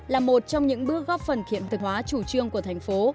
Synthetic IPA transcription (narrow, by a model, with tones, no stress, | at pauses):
laː˨˩mo˨˩t̚t͡ɕɔ˧wŋ͡mɲɨ̰˧˥ŋɓɨ˦˥ək̚ɣɔ˦˥p̚fə˨˩nkʰḭ˧˨ənt̪ɨ˨˩hwaː˨˦t͡ɕu˧˩t͡ɕɨ˧əŋku˧˩ət̪ʰa˨˩jŋ̟fo˨˦